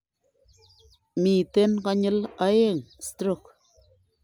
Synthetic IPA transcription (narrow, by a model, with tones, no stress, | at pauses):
mi˨te˦nka˦ɲə˦la˦je˦˨ŋstɾo˦˨k